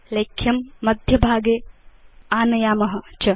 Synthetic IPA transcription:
leːkʰjɐmːɐd̪ʱjɐbʱaːɡeː | aːnɐjaːmɐɦɐt͡ʃɐ

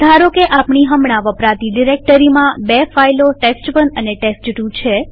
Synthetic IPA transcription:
d̪ʱaɾokeʔapɳiɦəmɳ̃ãʋəpɾat̪iɖiɾek̚ʈəɾimãbefailoʈesʈʋənəneʈesʈʈũt͡ʃʰe

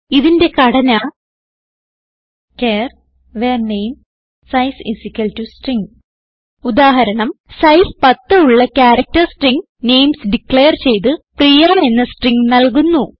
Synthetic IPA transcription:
iðinde̞kɐɽɐnaː | keːr | ʋeːrnejm | sɐjsisikʲːɐltusʈriŋɡ | ud̪aːɦɐɾɐɳɐmsɐjspɐt̪ːɨuɭːɐkʲaːɾɐk̚tɐrsʈriŋɡ | ne̞jmsɖiklɭejɐrt͡ɕe̞jt̪̬ɨprijaːɳenːɐsʈriŋɡnɐlkunːu

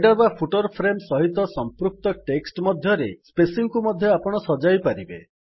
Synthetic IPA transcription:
ɖaɾbapʰuʈoɾpʰɾemsɔɦit̪ɔsɔmpɾuk̚t̪ɔʈeksʈmɔd̪ʱjɔɾespesiŋkumɔd̪ʱjɔapɔɽ̃ɔsɔd͡ʒajpaɾibḛ

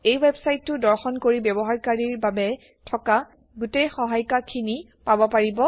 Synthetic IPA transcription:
ejwebsajtːʊdɔɹxɔnkoɹibjɛbɔɦaɹkaɹiɹbabɛ | tʰɔka | ɡutejxɔɦajkakʰini | pabɔpaɹibɔ

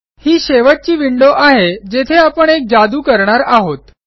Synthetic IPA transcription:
hiːɕeʋaʈ̚t͡ɕiːʋiɳɖoʔaɦed͡ʑet̪ʰeapəɳek̚d͡zad̪uːkəɾɳaɾaɦot̪

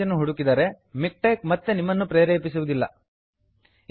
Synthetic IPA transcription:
ɐnːuɦuɽukid̪ɐɾe̞ | mik̚ʈeːk̚mɐt̪ːenimːɐnːupɾeːɾeːpisuʋud̪ilːɐ̰

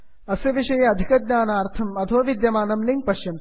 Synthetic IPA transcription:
ɐsjɐʋiʂɐjɐɐd̪ʱikɐd̪̚ɲaːnaːɾt̪ʰɐmɐt̪ʰoːʋid̪jɐmaːnɐmliŋk̚pɐʃjɐm

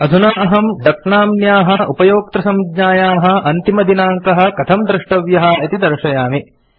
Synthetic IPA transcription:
ɐd̪ʱunaːɐɦɐmɖ̪ɐkɳaːmnjaːɦɐʔupɐjoːk̚t̪ɾɐsɐmd̪ɲaːjaːɦɐ̆ʔɐnt̪imɐd̪inaːŋkɐɦɐ̆kɐt̪ʰɐmd̪ɾɪʂʈɐʋjɐɦɐ̆it̪id̪ɐɾʃɐjaːmi

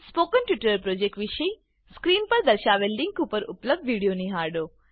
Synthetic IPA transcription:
spoːkənʈʋɪʈəɾpɾod͡ʒek̚ʈʋiʃəi | skɾiːnpəɾd̪əɾʃaʋelːĩŋkupəɾʊpləb̚d̪ʋiɽijoniɦaɾɖoː

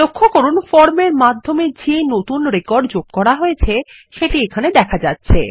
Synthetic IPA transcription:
lokʰːokoɾunfɔɾmeɾmad̪ʱːomed͡ʑenot̪unɾekɔɾɖd͡ʑoɡ̚kɔɾaɦojet͡ɕʰe | ʃeʈiekʰaned̪ɛkʰad͡ʑatːɕʰḛ

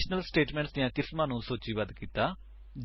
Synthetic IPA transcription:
ʃnəlsʈeːʈmɛ̃ɳʈsd̪ɪjãːkɪsmãːnũːsoːt͡ʃiːʋəd̪kiːt̪aː

